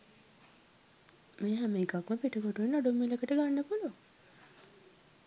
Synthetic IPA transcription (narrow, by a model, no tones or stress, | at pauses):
meːɦæməikakməpiʈəkoʈuʋenːoɖumːilekəʈəɡanːəpuluaŋ